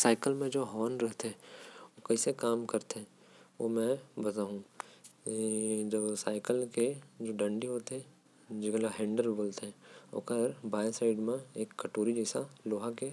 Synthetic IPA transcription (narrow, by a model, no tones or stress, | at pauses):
saːɪkəlmẽd͡ʒoːɦɔːnɾɛɦt̪eɦɛ̃okɐisekaːmkɐɾt̪eɦɛ̃ | ʋo̰mɛ̃bɐt̪aːɦũ | d͡ʒɐbsaːɪkəlked͡ʒoːɖɐ̃ɳɖiɦoːt̪ɦɛ | d͡ʒɪkelaɦɛ̃ːɳɖəɾboːlt̪eɦɛ̃o̰kəɾbaːjsaːɪɖmẽeːkːɐʈoːɾid͡ʒɛsaloːɦãke